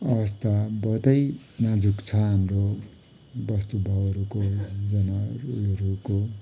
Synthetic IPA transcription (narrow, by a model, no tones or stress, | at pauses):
ʌbʌst̪ʰabʌt̪ʌj | nad͡zukt͡sʰʌɦamro | bʌst̪ubʱʌbʌɾukod͡zʌnʌɾuko